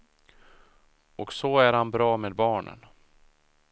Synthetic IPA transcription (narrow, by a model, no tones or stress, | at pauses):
ɔksɔæɾhanbɾɑːmeːd̪̚bɑːɳə̰n